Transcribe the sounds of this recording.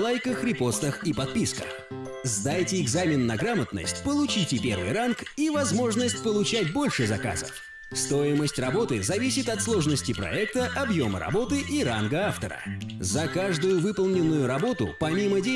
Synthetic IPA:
lˠajkəxɾʲɪpo̞st̪əxipɐt̪̚pʲiskə̰x | zd̪ajtʲɪɪɡzamʲɪnːɐɡɾamət̪nə̰sʲtʲpəlˠʊt͡ɕitʲɪpʲe̞̰rvɨ̰jrankivɐzmo̞ʐnəsʲtʲpəlˠʊt͡ɕætʲbo̞lʲʂɨzɐka̰zə̰f | st̪o̞ɪməsʲtʲrɐbo̞t̪ɨzɐvʲisʲɪt̪ɐt̪slˠo̞ʐnəsʲtʲɪpɾɐ̰ɛk̚t̪əʔɐbjo̞mə̰ɾɐ̰bo̞t̪ɨʔiɾa̰nɡəaft̪ə̰ɾə̰zɐkaʐd̪ʊjʊvɨpəlˠnʲɪnːʊjʊɾɐbo̞t̪ʊ̰pɐmʲimədʲe

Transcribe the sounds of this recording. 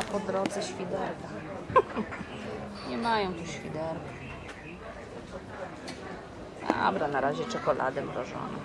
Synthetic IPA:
pɔd̪ɾɔd̪zɛɕfʲid̪ɛɾku | ɲɛmajɔ̃w̃t̪uɕfʲid̪ɛɾku | a̰bɾanaɾaʑɛt͡ʂɛkɔlʔa̰d̪ɘmɾɔʐɔ̰nɛ̰

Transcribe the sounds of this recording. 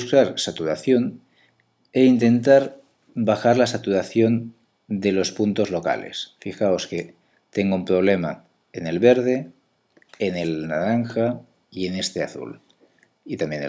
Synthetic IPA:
skɾaɾsat̪uɾaθjo̞n | eint̪e̞nt̪aɾ | baxaɾlasat̪uɾaθjo̞n | d̪e̞lo̞spunt̪o̞zlo̞ka̰lḛsfixaoske | t̪eŋɡoumpɾo̞β̞le̞ma̰ | ene̞lβeɾð̞eː | nelnaɾaŋxa | ie̞nest̪eaθṵl | it̪amjen

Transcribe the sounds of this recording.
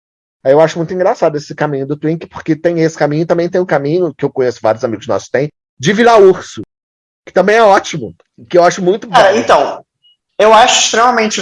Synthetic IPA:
ɛewaʃʊmũj̃t̪ʊĩŋɡɾasad̪ʊesɪkamĩɲʊd̪ʊt̪wĩkɪ̥po̥χket̪ẽj̃esɪ̥kamĩɲʊɪt̪ɐ̃mbẽj̃t̪ẽj̃ʊ̃kamĩɲʊkɪewkõɲesʊ̥va̰ɾjʊzamiɡʊznɔ̰sʊ̥t̪ẽj̃ | d͡ʒɪvilauχsʊ | kɪ̥t̪ɐ̃bẽj̃ɛɔt͡ʃimʊ | kɪewaʃʊmũj̃t̪ʊbɾɐẽt̪ɐ̃w̃ | ewaʃʊɪʃt̪ɾemɐmẽnt͡ʃɪ

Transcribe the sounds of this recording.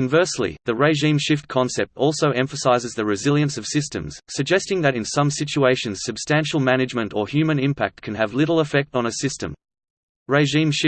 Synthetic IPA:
ɨ̃ɱvɜ˞slḭðɨɹeɪʒĩmʃɪft̚kʰɑ̃nsɛp̚tɔlˠsoʊɛ̃ɱfəsaɪzɨzðɨɹɨzɪlˠjɨ̃nsʌv̥sɪstɨ̰̃mz̥sɨɡ̚d͡ʒɛstɪ̃ŋðɨɾɨ̃nsʌ̃msɪt͡ʃueɪʃɨ̃nz̥sɨb̥stæ̃nʃl̩ˠmænɨd͡ʒmɨ̃ntə˞hjʉmɨ̃nɪ̃mpʰæk̚t̚kʰɨ̃nɨvlɪɾl̩ˠəfɛk̚tn̩ɨsɪstɨ̰̃m | ɹeɪʒĩmʃɪ

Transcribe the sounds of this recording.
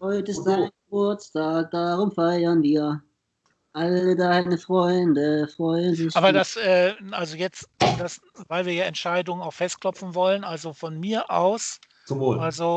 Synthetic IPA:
hɔʏtɪstzaɪɡəbʊɐt͡stʰaːk̚d̥aʁʊmfaɪɐnviːɐ | ʔalədaːhanəfʁ̥ɔʏndəfʁ̥ɔʏndɪaːbɐdasʔɛːʔalzojɛt͡std̥as | vaɪlviːɐjaːɛntʃaɪdʊŋənaʊxfɛstkʰl̥ɔpp͡fn̩vɔlənʔalzofɔnmiːɐʔa̰ʊs | t͡sʊmvoːlalzo

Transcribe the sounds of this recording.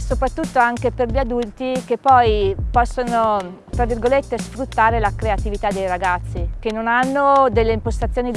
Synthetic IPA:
sopɾat̪ːut̪ːoaŋkeperʎiad̪ult̪ikepːɔjpɔsːono | t̪ɾavːirɡolet̪ːesfɾut̪ːaːɾelakɾeat̪ivit̪ad̪ːejɾaɡat̪sːik̟enːonanːod̪elːeimpost̪at̪sːjoːni

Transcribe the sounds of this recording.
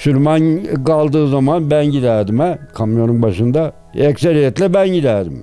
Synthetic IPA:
sylʲmankalˠd̪ɯːzamanbænɟid̪æɾd̪imækʰamjo̞ɾunbaʃɯnd̪a | ɛkseɾijɛt̪lʲɛbænɟid̪æɾd̪ḭm

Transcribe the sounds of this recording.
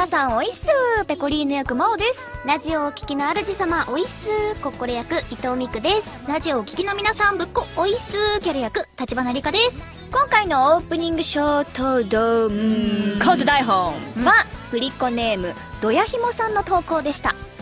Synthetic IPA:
mʲinasãɰ̃o̞isɨːpe̞ko̞ɾʲiːnojokɯ̟maod̪e̞sɨ̥ɾaʑio̞ːkʲi̥kʲinoaɾɯ̟ʑisamaʔo̞isɨːko̞ko̞ɾejakɯ̟it̪o̞ːmʲikɯ̟d̪e̞sɨ̥ɾaʑio̞ːkʲi̥kʲino̞mʲinasãmbɯ̟kːooisɨːkʲaɾɯ̟jakɯ̟t̪at͡ɕibanaɾʲikad̪e̞sɨ̥ | kõŋkaino̞oːpɯ̟ɲ̟ĩŋɡɯ̟ɕoːt̪od̪omkãnt̪od̪aiɦoːŋβabɯ̟ɾʲikːo̞ne̞ːmɯ̟ | d̪̥o̞jaçimo̞sãnːo̞t̪o̞ːko̞ːd̪e̞ɕi̥t̪a̰

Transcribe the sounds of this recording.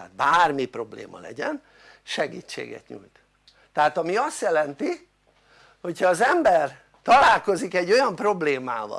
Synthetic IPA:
aːt̪̚baːrmipro̞blḛːmɒ̰lɛ̰ɟɛn | ʃɛɡḭːt͡ʃːḛːɡɛ̰t̪ɲṵːjt̪ | t̪ːɛɦaːt̪ɒmiɒst̪jɛlɛnt̪i | ho̞chɒːzɛmbɛr | t̪ɒlaːlko̞zikɛɟːo̞jɒmpro̞bleːmaːvɒ̰

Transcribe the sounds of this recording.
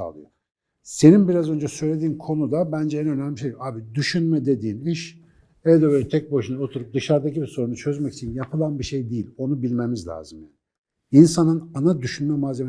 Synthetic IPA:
a̰lˠɯjo | se̞ninbiɾazø̞nd͡ʒɛsø̞jlʲe̞d̪iːnkʰo̞nud̪abænd͡ʒɛænø̞nælʲiʃejaːbid̪yʃynmɛd̪e̞d̪iːniʃ | evd̪ɛbølʲɛt̪ʰɛc̚bo̞ʃunaot̪ʰuɾup̚d̪ɯʃaɾd̪acibiso̞ɾunut͡ʃʰø̞zmɛci̥t͡ʃʰinjapʰɯlˠanbiʃe̞jd̪ijilʲo̞nubilʲmemizlʲa̰ːzɯmjani | insanɯnanad̪yʃynmɛmazem

